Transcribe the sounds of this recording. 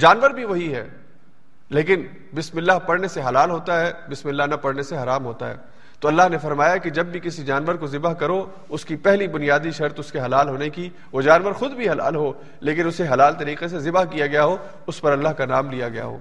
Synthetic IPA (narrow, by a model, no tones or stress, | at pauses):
d͡ʒaːnʋəɾbʱiʋɐɦiɦɛ̰ː | leːk̬ɪn | bɪsmɪlːaɦpɐɽneseɦɐlaːlɦoːt̪aɦɛːbɪsmɪlːaɦnɐpɐɽneseɦɐɾaːmɦoːt̪a̰ɦɛ̰ː | t̪oːɐlːaɦnefɐɾmaːjaked͡ʒɐbːʱikɪsid͡ʒaːnʋəɾkozɪbəɦkɐɾo | ʊskipɛɦlibʊnijaːd̪iʃɐɾt̪ʊskeɦɐlaːlɦoːneki | ʋod͡ʒaːnʋəɾxʊd̪bʱiɦɐla̰ːlɦo | leːkɪnʊseɦɐlaːlt̪ɐɾiːqes̬ezɪbaɦkijaɡɐjaɦoː | ʊspɐɾɐlːaɦkanaːmlijaɡɐja̰ɦo̰ː